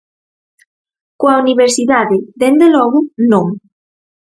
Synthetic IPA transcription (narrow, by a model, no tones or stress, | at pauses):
kwauniβ̞eɾsiðaðeðend̪elɔɣʊnõŋ